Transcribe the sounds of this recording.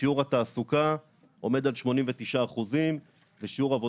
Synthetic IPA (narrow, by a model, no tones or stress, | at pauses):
iuʁat̪aːsuka | ʔo̞me̞d̪alʃmo̞nimvet̪iʃaːχuzim | veʃiuʁavo